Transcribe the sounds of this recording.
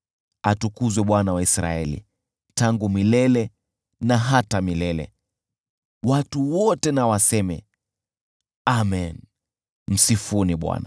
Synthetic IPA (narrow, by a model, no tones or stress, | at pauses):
atukuzwɛɓwanawaisɾa̰ɛlḭ | taŋɡumilɛlɛ | naɦatamilɛlɛ̰ | watuwɔtɛnawasɛmɛ̰ | amɛn | m̩sifuniɓwa̰na